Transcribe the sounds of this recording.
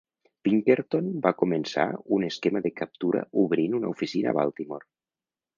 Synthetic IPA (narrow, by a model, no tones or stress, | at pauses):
biŋkeɾt̪onbakumensa̰uneskemaðekap̚t̪uɾa̰uβɾinunaufisina̰βa̰lˠt̪imoɾ